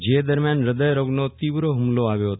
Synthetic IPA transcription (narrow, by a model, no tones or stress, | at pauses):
d͡ʒed̪əɾmjanɾəd̪əjɾoɡnot̪iʋɾoɦʊmloaʋjoɦət̪